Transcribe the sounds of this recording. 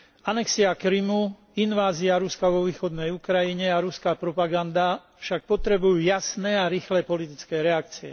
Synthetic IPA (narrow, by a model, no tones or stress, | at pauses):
anɛksiakɾimu | inʋaːziaɾuskaʋɔʋiːxɔd̪nɛjukɾajiɲɛaɾuskapɾɔpaɡand̪a | fʃak̚pɔt̪ɾɛbujuːjasnɛːaɾiːxlɛpɔlit̪it͡skɛːɾɛak̚t͡siɛ̰